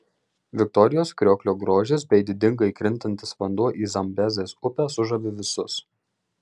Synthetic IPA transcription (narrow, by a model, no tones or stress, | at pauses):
ʋʲɪk̚t̪ɔɾʲɪjoːskɾʲoːkʲlʲoːɡɾoːʒʲɪs̬bʲɛɪd̪ʲɪd̪ʲɪŋɡɐɪkɾʲɪnʲt̪ʲɐnʲt̪ʲɪsʋɐnd̪uɔʔiːzɐmʲbʲɛzʲeːsʊpʲæːsʊʒɐʋʲɪʋʲɪsʊs